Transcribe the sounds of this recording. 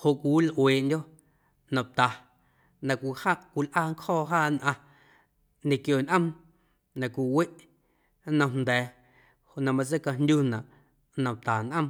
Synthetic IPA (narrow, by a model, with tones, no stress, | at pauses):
ho˨ʔkʷi˨wlʔweː˨ʔndʲo˦ʔ | nã˨t̪a˨ | nã˧˨kʷi˧˨haː˦ʔkʷi˧˨lʔaː˦˨ŋkhɔː˦˨ɦaː˦˨nʔã˧ | ɲẽ˧˨kjo˨nʔə̃˦m | nã˨kʷi˨we˦ʔ | nə̥̃˧nd̪ɛː˨ | ho˨ʔnã˧mã˧t͡se˦ka˧nd̪ʲu˦nã˨ʔ | nã˨t̪aː˨nʔə̃˦m